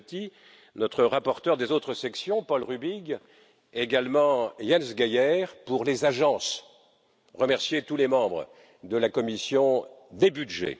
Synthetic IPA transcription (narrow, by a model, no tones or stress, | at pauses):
t̪i | nɔt̪χəʁapɔʁt̪œʁd̪ezot̪χəsɛksjɔ̃pɔlʁybiɡ | eɡalmɑ̃jansɡʲajɛʁpuʁlezaʒɑ̃s | ʁəmɛʁsjet̪ulemɑ̃bʁə̰ | d̪əlakɔmisjɔ̃d̪ebydʒḛ